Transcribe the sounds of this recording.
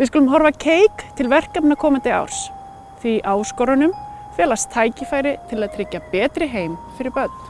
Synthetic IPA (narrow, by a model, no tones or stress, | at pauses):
vɪðskɔːlʏmɦɔɾvacʰeːjkt̪ʰɪlvɛr̥kapnakʰɔːmant̪ɪa̰wɾ̥s | θiʔaːwskɔɾanʏm | fjɛːlast̪ʰːaːjcɪfaːjɾɪt̪ʰɪlaðt̪ʰɾɪcːapɛːt̪ɾɪɦeːjmfɪɾɪɾpœt̪̚n̥